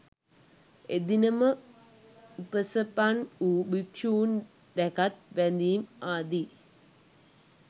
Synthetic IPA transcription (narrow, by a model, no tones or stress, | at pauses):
ed̪inəmə | upəsəpanuːbikʂuun | d̪ɛkat̪ʋænd̪iːmaːd̪i